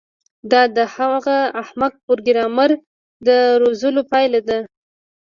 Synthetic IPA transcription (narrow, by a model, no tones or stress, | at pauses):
d̪ɑd̪əhaɣaahmad̪̚poɾɡɪɾɑmaɾ | d̪əɾozəlopɑjlad̪a